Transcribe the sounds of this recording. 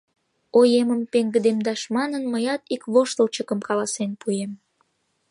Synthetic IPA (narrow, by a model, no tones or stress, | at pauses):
ojeməmpeŋɡə̆d̪emd̪ɑʃmɑnənməjɑt̪ikβoʃt̪əlt͡ɕəkəmkɑlɑsenpujem